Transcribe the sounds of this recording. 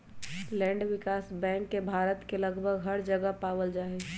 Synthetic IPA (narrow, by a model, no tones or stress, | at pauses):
lɛ̃ːɳɖʋɪkaːsbɛ̃ːŋkːebʱaːɾət̪kelɐɡbʱəɡɦəɾd͡ʒəɡəɦpaːʋəld͡ʒaːe